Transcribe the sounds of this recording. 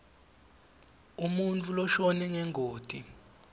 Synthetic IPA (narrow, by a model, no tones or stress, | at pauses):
umunt͡fʰʼulɔʃɔnɛŋɛŋʱoːd̥ʱi